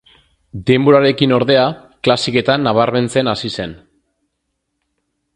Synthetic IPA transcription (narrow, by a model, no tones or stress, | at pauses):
d̪e̞mboɾaɾe̞kino̞ɾðe̞a | klasike̞t̪anːaβ̞aɾme̞nt͡se̞nasise̞n